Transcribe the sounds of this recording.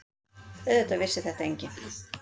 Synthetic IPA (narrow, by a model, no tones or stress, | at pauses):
œðɛt̪avɪsːɪθɛht̪aeɲcɪ